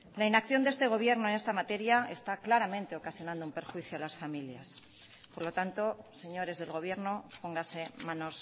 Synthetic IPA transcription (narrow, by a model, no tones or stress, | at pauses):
lainakθjo̞nd̪ee̞st̪e̞ɣ̞o̞β̞je̞ɾno̞ene̞st̪amat̪e̞ɾjae̞st̪aklaɾamẽ̞nt̪e̞o̞kasjo̞nãnd̪oumpe̞ɾxwiθjoalasfamiljas | po̞ɾlo̞t̪ant̪o̞se̞ɲo̞ɾe̞zðe̞lɣo̞β̞je̞ɾno̞po̞ŋɡase̞mano̞s